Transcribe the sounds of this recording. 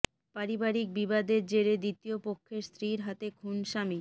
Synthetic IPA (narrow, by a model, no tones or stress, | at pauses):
paɾibaɾik̚bibad̪eɾd͡ʑeɾed̪it̪iopokʰːeɾst̪ɾiɾɦat̪ekʰunʃami